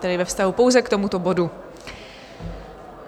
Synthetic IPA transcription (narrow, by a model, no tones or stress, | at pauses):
t̪ɛdɪvɛfst̪aɦupo̞wzɛkt̪o̞mut̪o̞bo̞du